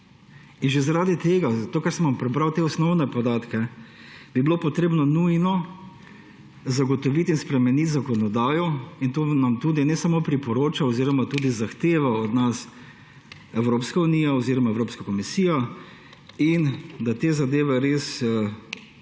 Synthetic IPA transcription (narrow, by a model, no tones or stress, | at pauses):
inʒezaɾaːd̪it̪eːɡazat̪oːkaɾsɛnʋampɾɛbɾawt̪eːɔsnɔwnɛpɔd̪aːt̪kɛ | b̥iblopɔt̪ɾeːbnɔnujnɔ | zaɡɔt̪ɔʋit̪inspɾɛmɛnit̪zakɔnɔd̪aːjɔint̪oːnamt̪uːd̪inɛsamoːpɾipɔɾoːt͡ʃaɔziːɾɔmat̪uːd̪izaxt̪eːʋaɔd̪nas | ɛwɾoːpskauniːjaɔziːɾɔmaɛwɾoːpskakɔmisiːja | ind̪at̪eːzad̪eːʋɛɾes